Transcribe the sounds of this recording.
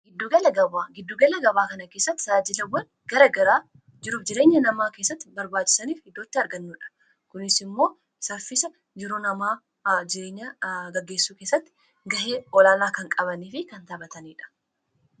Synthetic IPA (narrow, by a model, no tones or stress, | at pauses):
ɡɪd̪ːuːɡɐlɐɡɐbaːɡɪd̪ːuːɡɐlɐɡɐβaːkɐnɐke̞ːsːɐt̪ːɪ̥saːd͡ʒɪlɐwɐn | ɡɐɾɐɡɐɾaː | d͡ʒɪɾuːfd͡ʒɪɾe̞ːɲːɐnɐmaːke̞ːsːɐt̪ːɪbɐɾbaːt͡ʃːɪ̥sɐniːfhɪd̪ːoːt̪ːɪɐɾɡɐnːuːᶑɐ̥ | kʊnɪsɪmːo̞ː | sɐɾfɪsɐ | d͡ʒɪɾoːnɐmaː | d͡ʒɪɾeːɲːɐɡɐɡːe̞ːsːuːke̞ːsːɐt̪ːɪ̥ | ɡɐɦe̞ːɔlaːlaːkɐŋkʼɐβɐniːfɪkɐnt̪ɐbɐt̪ɐniːᶑɐ̥